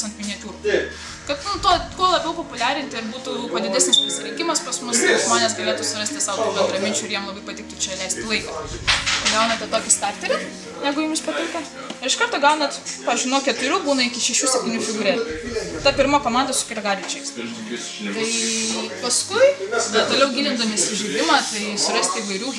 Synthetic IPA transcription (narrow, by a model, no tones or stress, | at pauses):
sɐnt̪mʲɪnʲiɛt̪ʲuːɾu | kɐt̪nʊt̪uɔkuɔlˠɐbʲɛʊpopʊlʲæːɾʲɪnʲt̪ʲɪɪɾbuːt̪upod̪ʲɪd̪ʲæːsʲnʲɪspʊsʲɪɾʲɪŋʲkʲɪmɐspɐsmʊsʒmoːnʲes̬ɡɐlʲeːt̪ʊsʊɾɐsʲt̪ʲɪsɐːʊt̪uːbʲɛnd̪ɾɐmʲɪnʲt͡ʃʲʊɪɾjiɛmlˠɐbɐɪpɐtʲɪk̚t̪ʊt͡ʃʲɛlʲɛɪsʲt̪ʲɪlˠɐɪkɐt̪ɐɪɡɐʊnɐt̪ʲɛt̪oːkʲɪst̪ɑːkt̪ʲɛɾʲɪ | nʲæːɡʊjuːmʲɪspɐt̪ʲɪŋkɐ | ɪɾɪʃkɐrt̪oːɡɐʊnɐt̪pɑːɪʒʲd͡ʒʲuːnoɔkʲɛt̪ʊɾʲuːbuːnɐɪkʲɪʃʲɛʃʲuːsʲɛp̚ʲt̪ʲɪnʲufʲɪɡʊɾʲeːt̪ɐpʲɪɾmoːkoːmɑnd̪ɐsʊ̥kʲɪɾʲɛɡɑːɾʲʋʲɪt͡ʃʲɛɪs | t̪ɐɪpɐskʊɪdʲɐt̪oːlʲɛʊɡʲiːlʲɪnd̪ɐmʲɪsʲɪʒʲɪd̪ʲɪmɑːt̪ɐɪsʊɾɐsʲt̪ʲɪːʋɐɪɾʲuː